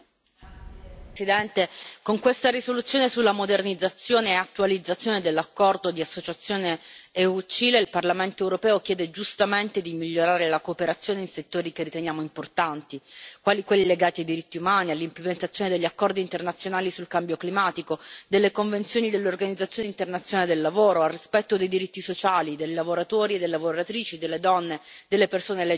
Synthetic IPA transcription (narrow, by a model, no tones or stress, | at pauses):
sid̪ɛnt̪ekoŋkwest̪aɾisolut̪sːjoːnesulːamod̪ernid̪zat̪sːjoːneːat̪ːualid̪zːat̪sːjoːned̪elːakːɔrd̪od̪iasːot͡ʃat̪sːjoːneeut͡ʃiːleilparlament̪oeːwɾopɛːokjɛːd̪ed͡ʒust̪ament̪ed̪imiʎːoɾaːɾelakoːpeɾat̪sːjoːneinset̪ːoːɾikerit̪enjaːmoimport̪ant̪ikwaːlikwelːileɡaːt̪iajd̪iɾit̪ːiumaːnialːimplement̪at̪sjoːned̪eʎːakːɔrd̪iːnt̪ernat̪sjonaːlisulkambjoklimaːt̪ikod̪elːekoɱvent̪sjoːnid̪elːeorɡanid̪zat̪sjoːnint̪ernat̪sjnaled̪elːavoːɾoalrispɛt̪ːod̪ejd̪iɾit̪ːisot͡ʃaːlid̪ejlavoɾat̪oːɾied̪ejlavoɾat̪ɾiːt͡ʃid̪elːed̪ɔnːe | d̪elːepersoːnelɛ